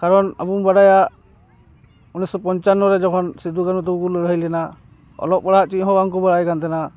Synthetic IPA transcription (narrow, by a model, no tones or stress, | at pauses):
kaɾɔna̰bumbaɽaja | unisɔpɔnt͡ʃanːɔɾɛd͡ʒɔkʰɔnsid̪ukanɔt̪̬ɔɡulɾəɦəjlɛna | ɔ̰lɔp̚bɔɽaʔt͡ʃiʔɦɔ̃baŋkɔbaɽajkant̪ɛna